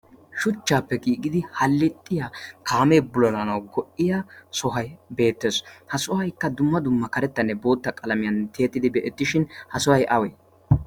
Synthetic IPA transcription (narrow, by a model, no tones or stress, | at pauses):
ʃʊt͡ʃːaːpːɛkʼiːɡɪd̪ɪhɐlːɪt̪ʼːɪjakʰaːmeːbʊlɔnɐnɐwɡɔʔːɪjasɔɦɐjbe̞ːt̪ːeːshɐsɔhɐjkːɐd̪ʊmːɐd̪ʊmːɐkɐɾɛt̪ːɐnːɛbo̞ːt̪ːɐkʼɐlɐmɪjɐnt̪ʰeːt̪ːɪd̪ɪbɛʔɛt̪ːɪʃɪnhɐsɔhɐjʔɐweː